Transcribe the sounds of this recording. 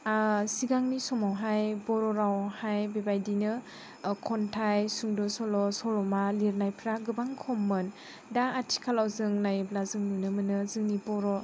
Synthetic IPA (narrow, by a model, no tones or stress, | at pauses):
siɡaŋnisɔmawɦajbɔɾɔɾawhajbebajdinɯ | kʰɔntʰajsuŋdɔsɔlɔsɔɾɔmaliɾnajpʰɾaɡɯbaŋkʰɔmːɯn | daːtʰi̥kʰalawzɯŋnajblazɯŋnunɯmɯnɯzɯŋnipɔɾɔ